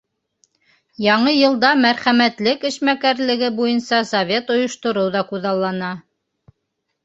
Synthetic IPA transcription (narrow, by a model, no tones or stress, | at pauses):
jɑɴɤjɤ̆lˠd̪ɑmæɾχæmæt̪lɘkɘ̆ʃmækæɾlɘ̆ɡɘbujɤnsɑsɐvʲe̞t̪ŏjŏʃt̪ŏɾoɤwðɑkuðɑlˠːɑnɑ